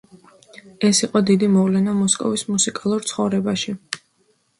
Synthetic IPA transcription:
ɛsiqʼɔd̪id̪imɔvlɛnamɔskʼɔ̰vismusikʼalˠuɾt̪sʰχɔvɾɛbaʃi

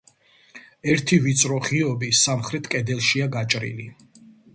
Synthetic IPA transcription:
ɛɾt̪ʰivit̪sʼɾɔχiɔbisamχɾɛt̪ʰkʼɛd̪ɛlˠʃiaɡat͡ʃʼɾḭli

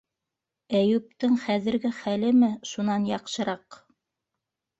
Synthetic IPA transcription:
æjʉp̚t̪ɘŋχæðɘ̆ɾɡɘχælɘmɘʃunɑnjɑqʃɤ̆ɾɑq

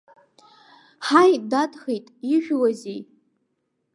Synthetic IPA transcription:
ħajdatʰʼχejtʼiʒᶣwazij

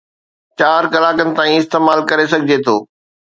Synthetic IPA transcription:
t͡ɕaːɾkɐlaːkənɪ̆t̪ãːĩɪst̪eːmaːlkɐɾes̬ɐɡʱɪd͡ʑet̪ʰo̰ː

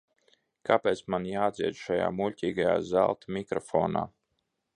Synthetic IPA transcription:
kʰapeːt̪smanjaːd̪zʲiɛd͡ʒʃaja̰ːmuʎʲcʲiːɡaja̰ːza̰lˠt̪mʲikɾɔfɔ̰ːna̰ː

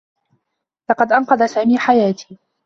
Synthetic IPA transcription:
lɑqɑd̪ʔɑnqɑd̪asaːmiːħajaːt̪ʰi̥ː

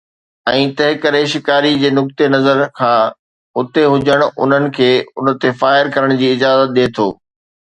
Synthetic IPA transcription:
ɛ̃ːt̪ɐɦɪkəɾeʃɪkaːɾid͡ʑeːnʊk̚t̪enɐzəɾkʰãː | ʊt̪eɦʊd͡ʑəɽ̃ʊ̰n̤ənɪ̆kʰeːʊnə̆t̪efaːɪɾkɐɾəɽ̃d͡ʑiːɪd͡ʑaːzət̪̚ɗeːt̪ʰoː

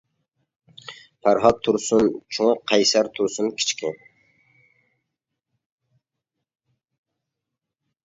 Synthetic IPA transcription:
pʰæɾɦɑt̪ʰːuɾsunt͡ʃʰuŋqʰɑjsæɾt̪ʰuɾsunkʲʰi̥t͡ʃkʲɪ

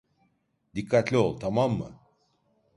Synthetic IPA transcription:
d̪ikʰːat̪lʲiolˠt̪ʰamamːɯ̰

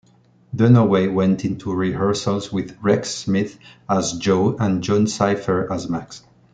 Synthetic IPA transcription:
dənəweɪwɛ̃ntʰɪ̃ntʰuɹihɜ˞səlˠzwɪðɹɛksmɪθazd͡ʒoʊə̃nd͡ʒɔ̃nsaɪfə˞azmaks

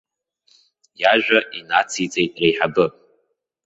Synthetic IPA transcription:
jaʒᶣʷaʔinat͡sʰit͡sʼejtʼrejħabɨ

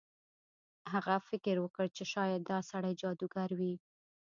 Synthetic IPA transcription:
haɣafɪkɪɾwəkəɽt͡ʃeʃɑjad̪ːɑsaɽajd͡ʒɑd̪uɡaɾwi

